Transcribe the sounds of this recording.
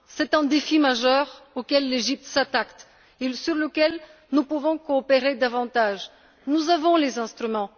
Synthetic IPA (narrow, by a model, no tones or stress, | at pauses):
sɛt̪ɛ̃d̪efimaʒœʁokʲɛlːeʒip̚t̪sat̪akt̪ | esyʁləkʲɛl | nupuvɔ̃kɔːpeʁed̪avɑ̃t̪aʒ | nuzavɔ̃lezɛ̃st̪χymɑ̃